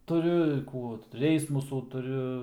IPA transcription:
tʊˈrʲʊ ɪr ˈkuː ˈrʲɛɪsmʊsuː tʊˈrʲʊ

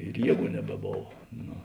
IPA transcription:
ɪr ˈjiɛˌɡuː nʲɛbʲɛˈboːw ˈnoː

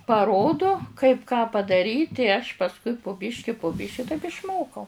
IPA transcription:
pɐˈroːdoː kɐɪp kɑː pɐdɐˈrʲiːtʲ ɪ ɐʃ pɐsˈkʊɪ pʊ ˈbʲɪʃʲkʲɪ pʊ ˈbʲɪʃʲɪ tɐɪp ɪʃˈmoːkɐʊ

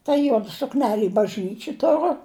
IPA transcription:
tɐ ˈjuɔdɐ sʊkˈnʲæːlʲɪ ɪ bɐʒʲˈnʲiːt͡ʃʲɪ ˈtʊrʊ

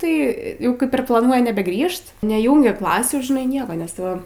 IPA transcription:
tɐɪ ˈjɛʊ ˈkɐɪp ɪr plˠɐˈnuɔj nʲɛbʲɛˈɡrʲiːʃt nʲɛˈjuːŋʲɡʲɛ ˈklˠɑːsʲuː ʒʲɪˈnɐɪ ˈnʲiɛkɐ nʲɛs ˈtɐɪ ʋɐ

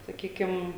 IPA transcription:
sɐˈkʲiːkʲɪm

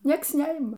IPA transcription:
ˈnʲiɛks ˈnʲɛɪmɐ

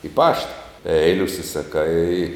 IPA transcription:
ɪ ˈpɑːʃtɐ ˈɛɪlʲɪ ʊʃʲsʲɪsɐˈkɐɪ

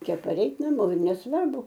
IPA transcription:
ˈt͡ʃʲɛ pɐˈrʲɛɪt nɐˈmoː ɪr nʲɛsˈʋɐrbʊ

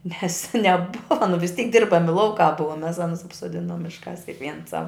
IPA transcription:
nʲɛs nʲɛˈbʊʋɐ nʊ ʋʲɪs tʲiːk ˈdʲɪrbɐmʲɪ ˈlˠɐʊkɑː ˈbʊɐ mʲɛs ˈɑːnʊs ɐpsoːˈdʲɪnoːm ˈmʲɪʃkɑːs kʲɪkˈʋʲiɛns sɐw

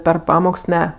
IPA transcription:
pʲɛr ˈpɑːmoːks ˈnʲɛ

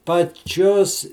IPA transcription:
pɐˈt͡ʃʲoːs

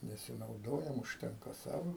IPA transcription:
nʲɛsʲɪnɐʊˈdoːjɛm ʊʃʲˈtʲɛŋkɐ ˈsɑːʋoː

